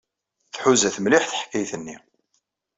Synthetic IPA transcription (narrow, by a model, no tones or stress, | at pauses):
θħuzæθmliħθħkːæjθənːi